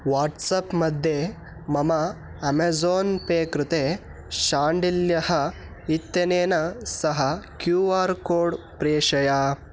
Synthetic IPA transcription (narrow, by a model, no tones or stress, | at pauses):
ʋaːɾʈsɐpmɐd̪ʱje | mɐmɐɐmezoːnpeːkɾut̪eː | ʃaːɳɖiljɐhɐ | it̪jɐneːnɐsɐɦɐkjuːaːɾkoːɖpɾeːʂɐja